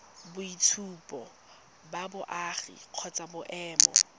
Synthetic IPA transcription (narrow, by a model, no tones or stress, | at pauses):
bʊitʰuːpʼɔ | babʊʔaːχḭq͡χʰɔt͡sʼabʊʔɛːmɔ̰